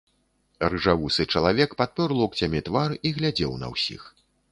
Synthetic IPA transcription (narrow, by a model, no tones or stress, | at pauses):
rɨʐavusɨt͡ʂɐlˠavʲɛkpat̪̚pʲɔɾlˠɔkt͡sʲamʲɛt̪variɣlʲad͡zʲɛwnɐ̰wsʲḭx